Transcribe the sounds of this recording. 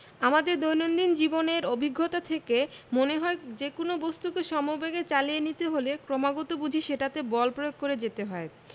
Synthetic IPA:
amad̪eɾd̪ojnond̪ind͡ʑiboneɾobʱiɡʱːot̪at̪ʰekemoneɦɔed͡ʑekonobost̪ukeʃɔmobeɡet͡ɕalijenit̪eɦolekɾɔmaɡɔt̪obud͡ʑʱiʃeʈat̪ebɔlpɾojoɡ̚koɾed͡ʑet̪eɦɔe

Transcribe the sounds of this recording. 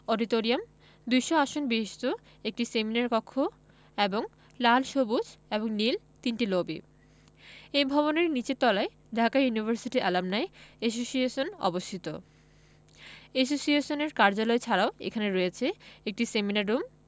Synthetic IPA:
ɔɖit̪oɾiam | d̪ujʃoaʃonbiɦiʃt̪o | ek̚ʈiseminaɾkɔkʰːo | eboŋ | lalʃobud͡ʑeboŋnil | t̪inʈilobḭ | ejbʱɔβoneɾnit͡ɕet̪ɔlae | ɖʱakajunibʱaɾsiʈiʔalamnaees̬osieʃonɔ̰bost̪ʰit̪o̰ | es̬osieʃoneɾkaɾd͡ʑalɔet͡ɕʰaɾaoḛkʰaneɾojet͡ɕʰeek̚ʈiseminaɾːum

